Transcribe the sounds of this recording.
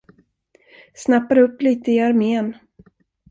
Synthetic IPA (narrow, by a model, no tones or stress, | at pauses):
snapːaɾɵpːliːt̪əɪaɾmeːn